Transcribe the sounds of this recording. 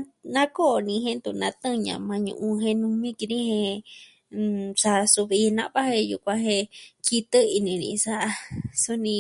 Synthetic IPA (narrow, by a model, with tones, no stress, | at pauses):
nã˦ko˦˧nĩ˧ɦẽ˦nd̪u˧˨nã˧t̪ɨ̃˦ɲã̰˧mã˧ɲṵ̃˧ʔũ˧ɦẽ˧nũ˧mĩ˦ki˧ɾĩ˦hẽ˧ | sa˧su˧βi˧nã˦˧˦βa˦hẽ˧jṵ˧kʷã˧ɦẽ˧kʰi˧t̪ɨ˦i˧nĩ˧nḭ̃˧sa˦ʔa˧su˦nĩ˧